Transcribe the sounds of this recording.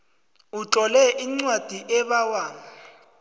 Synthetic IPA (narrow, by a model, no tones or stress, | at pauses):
ut͡ɬʼɔlɛʔiŋ͡ǀwad̥ʱiʔɛβawaːŋa